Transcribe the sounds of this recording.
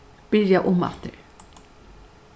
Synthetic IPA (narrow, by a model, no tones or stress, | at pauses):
b̥ɪɹjaʔʊma̰ft̪əɹ